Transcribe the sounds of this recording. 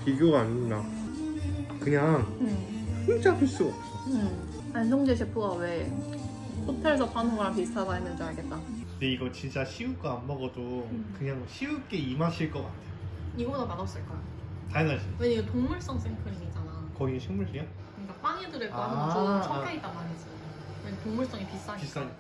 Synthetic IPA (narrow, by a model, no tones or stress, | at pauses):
piɡjoɡaaɲinːa | kɯɲaŋʰ | iŋd͡ʑapʰuɭs͈uɡʌp̚s͈oɯ | and͡ʑʰʌŋd͡ʑeɕ̬ʰipʰoɡawe̞ | sʰotʰeɭs̬ʰʌpanoɡapistʰabaimjʌnsoaɭɡet̚t͈akɯndeiɡʌt͡ɕint͡ɕ͈aɕʰiuk͈aanbʌɡʌdokɯɲaŋɕʰiuk͈e̞imaɕʰiɭk͈ʌk͈a̰tʰejoiɡʌdomadʌp̚s͈ɯɭk͈ajtaŋaɕʰinweɲiɡetoŋmuɭs͈ʌŋsʰeŋpʰɯɾiid͡ʑanakʌieɕʰiŋmuɭɕʰia | kɯɲik͈ap͈aŋedɯɾɯɭk͈aʌʌait͈amaɾed͡ʑi | kʌntoŋmuɭs͈ʌŋepis͈ais͈a